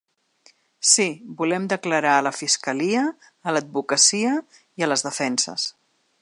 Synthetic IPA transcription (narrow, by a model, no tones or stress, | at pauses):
sibulɛmd̪əkləɾaələfiskəliəː | ləd̪̚βukəsiə | iələzðəfɛnsə̰s